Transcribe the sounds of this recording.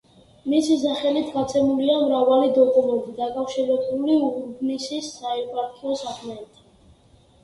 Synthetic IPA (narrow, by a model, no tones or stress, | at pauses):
misis̬aχɛlit̪ʰɡat̪sʼʰɛmuliamɾavalid̪ɔkʼumɛnt̪ʼid̪akʼafʃiɾɛbuliuɾbnisisːaɛɾpʼaɾkʰʼiɔsakʰmɛnt̪ʼi̥